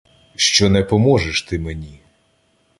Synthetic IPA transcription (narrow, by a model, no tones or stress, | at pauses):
ʃt͡ʃɔnɛpɔmɔʒeʃt̪ɪmenʲi